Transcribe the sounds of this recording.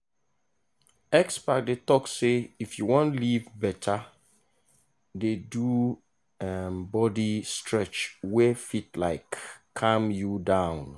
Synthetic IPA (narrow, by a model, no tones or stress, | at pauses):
ɛkspak̚detɔkseifjuwɔ̃ntlivbɛtʰa | dedu | ɛmbɔdistʰɹɛt͡ʃwɛfitlaɪkʰː | ãmjudãʊ̃n